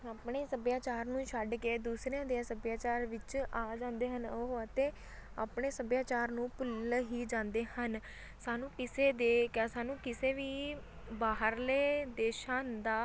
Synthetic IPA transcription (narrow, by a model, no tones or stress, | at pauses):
aːpɳeːsəbjaːt͡ʃaːɾnũːʃəɖkeːd̪uːsɾeãːd̪eãːsəbjaːt͡ʃaːɾʋɪt͡ʃaːd͡ʒãːnd̪eːɦənɦoət̪ẽː | a̰ːpɳeːsəbjaːt͡ʃaːɾnũːpʊlɦiːd͡ʒãːnd̪eːhən | saːnũːkɪseːd̪eːkɛsaːnũːkɪseːʋiː | baːɦəɾleːd̪eːʃãːnd̪aː